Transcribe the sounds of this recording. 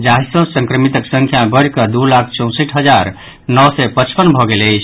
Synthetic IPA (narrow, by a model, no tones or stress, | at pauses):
d͡ʒaɦisə̃sə̃ŋkɾəmit̪əksə̃ŋkʰjabəɾkəd̪ulakʰt͡ʃɔ̃w̃siʈʰɦəd͡ʒaɾ | nɔsɛpət͡ʃpənbʱɔɡeləjt͡ʃʰ